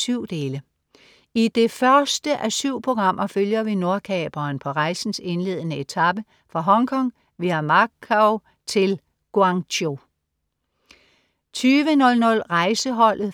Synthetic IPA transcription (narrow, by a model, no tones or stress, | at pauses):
syʊ̰d̥e̝ːlə | id̥e̝fɶɐsd̥əʔæsyʊ̰pʰo̝ɡ̥ʁɑ̈m̰ʔɐføljɐʋino̝ɐkʰɛːb̥ɐːnpʰɒ̽ʁɑ̈ɪsn̩se̝nle̝̰ːð̰ˠnəe̝t͡sʰɑb̥ə | fʁɑ̈ɦɒ̽ŋkʰɒ̽ŋ̰ | ʋiæmɑkʰaʊ | t͡sʰe̝l | ɡ̥oɑ̈ŋo | t͡sʰyːʋənɔ̽lnɔ̽lʁɑ̈ɪsəɦɒ̽l̰ð̩ˠ